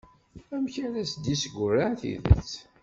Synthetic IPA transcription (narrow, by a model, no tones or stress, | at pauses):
æmçaɾæsd̪isɡʷʊraθḭðə̰t͡sː